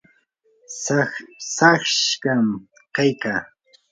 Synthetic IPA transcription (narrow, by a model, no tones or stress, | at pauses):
sɑχʃkam | kajkaː